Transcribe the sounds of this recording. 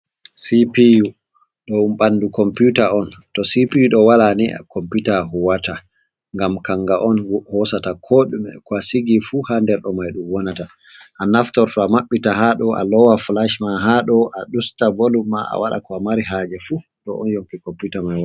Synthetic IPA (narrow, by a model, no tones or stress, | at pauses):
sipiju | ɗɔumɓandukɔmputaɔntɔsipiuɗɔwalania̰kɔmputahɔwata | ŋɡamkaŋɡaʔɔnhɔsatakʰoɗumɛ̰kɔasiɡifuhandɛɾɗɔmajɗumwɔnata | ʔanaftɔɾtɔamaɓːitaɦaɗɔʔa̰lɔwaflaʃmaɦaɗɔʔaɗustabolumːaa̰waɗa̰kɔamaɾiɦad͡ʒɛfutɔ̰ʔɔnjoŋkikɔmputamajwa